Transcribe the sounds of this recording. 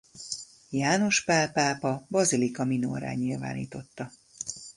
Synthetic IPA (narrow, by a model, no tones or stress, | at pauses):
jaːno̞ʃpaːpaːpɒbɒzilikɒmino̰ːɾa̰ːɲilva̰ːnḭːt̪o̞t̪ːɒ